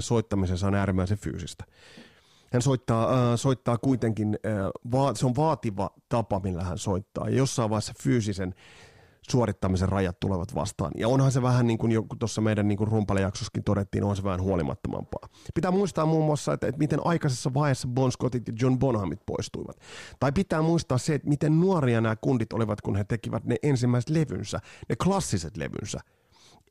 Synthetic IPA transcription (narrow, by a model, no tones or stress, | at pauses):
soit̪ːɑmisesɑonæːɾimːæiseffy̰ːsist̪æ̥ | hænsoit̪ːɑːsoit̪ːɑːkuit̪eŋkinəʋɑːseonʋɑːt̪iʋɑt̪ɑpɑmilːæhænsoit̪ːɑ̰ːjɑ̰josːɑiʋɑisɑfyːsisen | suorit̪ːɑmiserrɑjɑt̪t̪ːṵleʋɑt̪ʋɑ̰st̪ɑ̰ːnjɑ̰onhɑnseʋæhænniːŋkunjokut̪osːɑmeidænniːŋkunrumpɑlejɑksoskint̪oɾet̪ːḭːnʔohnseʋæhænhuolimʔɑ̰t̪ːomɑ̰mpɑ̰ːpit̪æːmuist̪ɑːmmuːmːuɑsːɑḛt̪ːet̪mit̪enʔɑikɑsesːɑʋɑiesːɑbonskot̪it̪jɑd͡ʒonbonhɑmit̪po̰ist̪uiʋɑ̰t̪t̪ɑipit̪æːmuist̪ɑːsseːt̪mit̪ennuoɾiɑnæːkundit̪o̰liʋɑt̪kunhet̪ekiʋæt̪neʔensimːæise̥t̪leʋy̰nsæ̰nʔeklɑsːiset̪lḛʋy̰nsæ̰